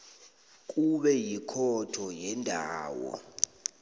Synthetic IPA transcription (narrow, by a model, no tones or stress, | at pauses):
k̬ʼuɓɛjikʰɔtʰɔjɛndʱaːwɔ̰